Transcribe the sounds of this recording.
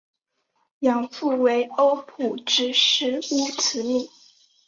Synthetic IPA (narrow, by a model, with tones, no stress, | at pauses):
jɑ˨˩ŋfu˥˩we˧˥ɪo˥ʊpʰu˨˩ʈ͡ʂɻ̩˥ʂɻ̩˧˥u˥˩t͡sʰɹ̩˧˥˦mi˥˩